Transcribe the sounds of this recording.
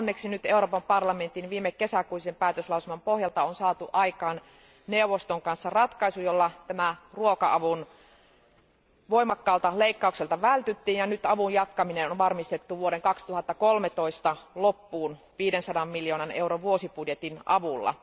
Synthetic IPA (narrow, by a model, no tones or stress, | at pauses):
nːeksinyt̪euroːpɑmpɑrlɑme̞nt̪inʋiːmːekːesækuisempæːt̪øslɑuselmɑmpohjɑlt̪ɑonsɑːt̪uʔɑikɑːn | neuʋost̪oŋkɑnsːɑrɑt̪kɑisujolːɑt̪æmæruokɑʔɑʋun | ʋoimɑkːɑːlt̪ɑleikːɑukselt̪ɑʋælt̪yt̪ːiːnjɑnyt̪ɑʋujjɑt̪kɑminenonʋɑrmist̪et̪ːuʋuoɾeŋkɑkst̪uhɑt̪ːɑkolmet̪oist̪ɑlopːuːn | ʋiːdensɑdɑmːiljoːnɑneuɾoʋʋuosipudjet̪inʔɑʋulːɑ̰